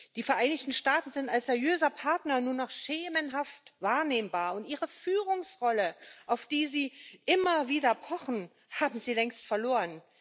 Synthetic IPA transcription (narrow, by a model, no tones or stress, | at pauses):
d̥iːfɛɐʔaɪnɪçtn̩ʃtaːtn̩zɪntalsz̥eːɐjøːzɐpʰaɐtnɐnuːɐnaχʃeːmənɦaftvaːɐneːmbaːɐʊntʔiːʁəfyːʁʊŋsʁɔləʔaʊfd̥iːziːʔɪmɐviːdɐpʰɔχn̩ | haːbm̩ziːlɛŋstfɛɐloːʁən